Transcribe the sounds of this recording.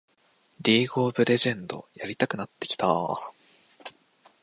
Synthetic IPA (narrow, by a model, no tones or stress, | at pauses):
ɾʲiːɡo̞ːbɯ̟ɾe̞ʑẽ̞nd̪o̞̰jaɾʲit̪akɯ̟nat̪ːe̞̥kʲi̥t̪a